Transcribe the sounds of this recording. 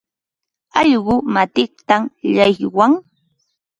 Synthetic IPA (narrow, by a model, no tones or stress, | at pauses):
ɑʎɢʊmat̪ɪk̚t̪amʎajwaŋ